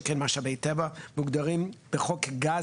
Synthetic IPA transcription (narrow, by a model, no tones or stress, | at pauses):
kenmaʃabejt̪evamuɡd̪aʁimb̥eχokɡa